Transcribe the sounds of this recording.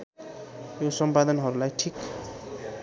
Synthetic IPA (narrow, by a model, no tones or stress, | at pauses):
josʌmpad̪ʌnɦʌɾulajʈʰik